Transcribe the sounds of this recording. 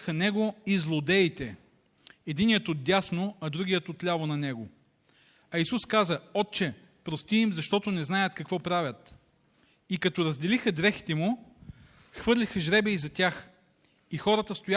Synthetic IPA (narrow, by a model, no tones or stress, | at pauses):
xɐnɛɡoizlˠod̪ɛit̪ɛ | ɛd̪inijət̪ot̪̚d̪ʲjasnoɐd̪ɾuɡʲijət̪ot̪lʲavonɐnɛɡo | ɐisuskazəɔt̪̚t͡ʃɛ | pɾost̪iːmzɐʃt̪ɔt̪onɛznajət̪kɐkvɔpɾavʲjət̪ | ikɐt̪ɔɾɐzd̪ɛlixəd̪ɾɛxi̥t̪ɛmu | xvɤɾlʲixəʒɾɛbɛizɐt̪ʲjax | ixɔɾət̪əst̪oja